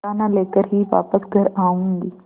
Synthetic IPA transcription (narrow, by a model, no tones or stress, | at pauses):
aːnãleːkəɾɦiːʋa̰ːpəsɡʱɐɾaːũnd̪iː